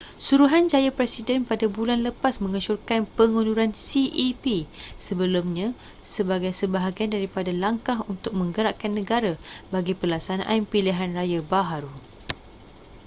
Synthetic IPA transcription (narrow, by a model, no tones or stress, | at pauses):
suɾuɦand͡ʒajapɾɛsidɛnpadabulanləpasmə̃ŋəʃurkanpəŋũnuɾansiʔipisəbəlumɲã | səbaɡajsəbaɦaɡiandaɾipadalaŋkaɦunt̪ʊk̚mə̃ŋɡəɾaʔkanːə̃ɡaɾabaɡipəlasanʔa̰mpiliɦanrajabaɦaɾu